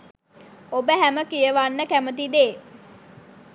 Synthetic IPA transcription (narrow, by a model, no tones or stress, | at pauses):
obəɦæməkijəʋanːəkæmət̪̬id̪eː